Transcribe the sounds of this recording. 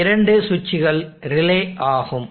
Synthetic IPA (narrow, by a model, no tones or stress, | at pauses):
ɪɾɐɳɖɯsʊt͡ʃːɪɣɐɭɾɪleːʔaːɣɯm